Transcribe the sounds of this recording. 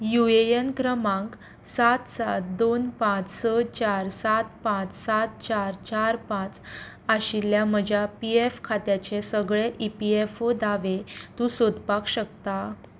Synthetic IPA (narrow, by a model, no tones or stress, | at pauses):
juejənkɾəmãŋk | sat̪sat̪̚d̪onpãt͡ssət͡ɕaɾsat̪̚pãt͡ssat̪̚t͡ɕaɾt͡ɕaɾpãt͡s | aɕiljaməd͡ʑʱapiefkʰat̪jat͡ɕesəɡɭeʔipiefod̪aʋet̪ũsod̪pakɕəkt̪a